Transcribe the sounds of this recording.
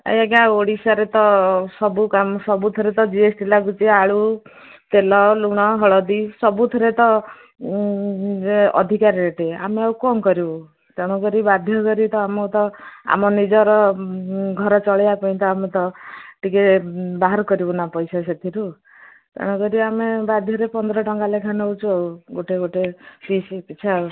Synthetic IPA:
a̰jakãoɽisaɾet̪ɔsɔbukamsɔbut̪ʰɔɾet̪ɔd͡ʒiesʈilakut͡ʃiaɭu | t̪elɔluɽ̃ɔɦɔɭɔd̪isɔbut̪ʰɔɾet̪ɔ | ɔ̰d̪ʱikaɾɾeʈea̰meawkɔŋkɔɾibu | t̪eɽ̃ɔɡɔɾibad̪ʱjɔɡɔɾit̪ɔamɔt̪ɔa̰mɔnid͡ʒɔɾɔ | ɡʱɔɾɔt͡ʃɔɭjapɔĩt̪ɔamet̪ɔʈikebaɦaɾkɔɾibunapɔjsaset̪ʰiɾu | t̪ḛɽ̃ɔkɔɾiamebad̪ʱjɔɾepɔnd̪ɔɾɔʈɔŋɡalekʰanɔut͡ʃʰuawɡoʈeɡoʈepisipit͡ʃʰa

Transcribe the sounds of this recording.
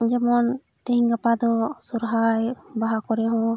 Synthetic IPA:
d͡ʒɛmɔn | t̪eɦiŋɡapad̪ɔsuɾɦajbaɦakɔɾɛɦɔ̃

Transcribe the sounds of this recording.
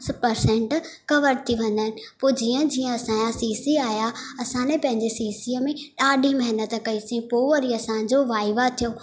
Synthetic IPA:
spɐɾsɛ̃ɳʈkɐʋəɾt̪ʰiʋɐ̃n̆d̪aːɦɪ̃nɪ̆poːd͡ʑiːə̃d͡ʑiːə̃ɐsãjasiːsiaːjaɐsãːnẽpɐ̃ɦɪ̃ɲd͡ʑesiːsiəmẽɗaːɗʱĩmɐɦɪnət̪kɐisĩpoːɐɾiɐsã̆d͡ʑoʋaːɪʋat̪ʰijo

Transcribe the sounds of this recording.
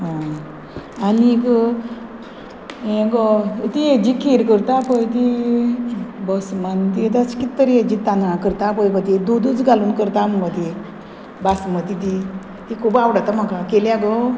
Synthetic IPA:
ɦã | anikə | ẽɡɔt̪ied͡ʑikʰeɾkəɾt̪apɔjt̪i | bəsmant̪it̪askit̪ːəɾed͡ʑit̪anãkəɾt̪apɔjbət̪̬id̪od̪ut͡sɡaluːnkəɾt̪aməbat̪i | basmət̪it̪i | t̪ikʰupawɽat̪amakakeljaɡɔ

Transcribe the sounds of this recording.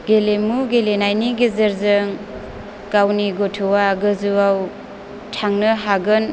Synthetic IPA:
ɡelemuɡelenajniɡizɐɾzɯŋ | kawniɡotʰuwaɡɯzuaw | tʰaŋnɯɦaɡɯn

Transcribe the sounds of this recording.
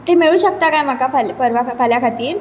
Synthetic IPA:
t̪emeɭuːɕək̚t̪akajm̤akapʰalpəɾʋakpʰaljakʰat̪iːɾ

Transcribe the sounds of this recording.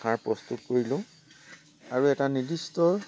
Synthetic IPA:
aɹpɹɔstutkoɹilʊ̃ | aɹuɛtanidistɔ

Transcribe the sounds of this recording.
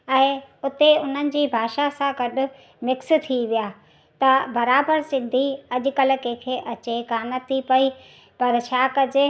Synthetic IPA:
ɛ̃ːʊt̪eʊn̤ənɪ̆d͡ʑiːbʱaːʃasãɡɐɗʊ̆ | mɪkst̪ʰiʋijaː | t̪ɐbɐɾaːbəɾsɪ̃nd̪ʱiɐʄʊ̆kɐl̆kɛ̃ːkʰeːʔɐt͡ɕekaːnət̪ʰːipɐi | pɐɾt͡ɕʰaːkɐd͡ʑe

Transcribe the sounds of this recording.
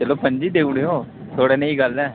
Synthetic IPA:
d͡ʒəloːpəɲd͡ʒiːd̪eːʊɽeːõː | t̪ʰoːɽeːneĩːɡəlɛː

